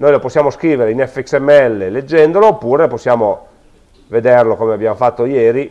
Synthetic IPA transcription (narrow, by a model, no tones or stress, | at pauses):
noːjloposːjaːmoskɾiːveɾeinɛfːeɛksɛmːeɛlːeled͡ʒːɛnd̪oloːpːuːɾeposːjaːmo | ved̪erlokomeabːjaːmofat̪ːojeːɾi